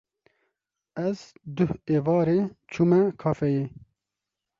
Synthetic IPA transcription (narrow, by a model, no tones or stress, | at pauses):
ɛzd̪ʊheːvɑːɾeːt͡ʃʰumɛkʰɑːfɛjeː